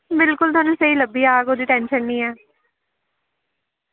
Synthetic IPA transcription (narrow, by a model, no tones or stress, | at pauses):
bɪlkʊlt̪ʊaːnũːsəiːləbːiːaːɡoːd̪iːʈɛːnʃənːiːɛː